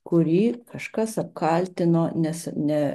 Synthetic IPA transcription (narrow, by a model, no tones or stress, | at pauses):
kʊɾʲiːkɐʃkɐsɐp̚kɑːlʲt̪ʲɪnoːnʲɛsnʲɛ